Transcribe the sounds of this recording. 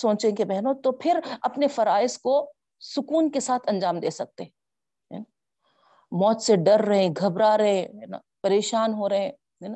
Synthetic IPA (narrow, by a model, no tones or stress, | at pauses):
sõːt͡ʃẽkebɛɦnõt̪opʰɪɾɐpnefɐɾaːɪsko | sʊkuːnkesaːt̪ʰɐ̃ɲd͡ʒaːmd̪eːsɐk̚t̪eɦɛ | ɦɛ̰ːna | mɔːt̪seɖɐɾːɐɦẽɡʱɐbɾaɾɐɦẽɦɛːna̰ːpɐɾeːʃaːnɦoɾɐɦẽː | ɦɛːna